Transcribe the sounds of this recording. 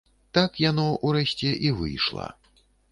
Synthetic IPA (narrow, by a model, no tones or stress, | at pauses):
t̪akjanɔʔuɾɛsʲt͡sʲɛʔivɨ̰jʂlˠɐ̰